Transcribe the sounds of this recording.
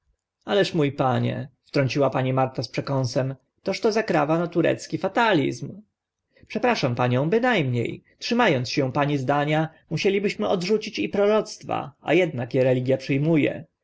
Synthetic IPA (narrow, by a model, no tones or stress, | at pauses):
alɛʂmujpaɲɛ̰ft̪ɾɔɲʲt͡ɕiwapaɲimaɾt̪aspʂɛkɔnsɛm | t̪ɔʂt̪ɔzakɾavanat̪uɾɛ̰t̪skʲifat̪alʲḭzm | pʂɛpɾaʂampaɲɔ̃w̃bɘnajmɲḛjtʂɘmajɔnt̪sɕɛ̃paɲizd̪aɲamuɕɛlʲibɘɕmɘʔɔd̪ʐut͡ɕit͡ɕipɾɔɾɔt̪st̪fa̰a̰jɛd̪nakjeɾɛlʲiɡʲjapʂɘjmujɛ̰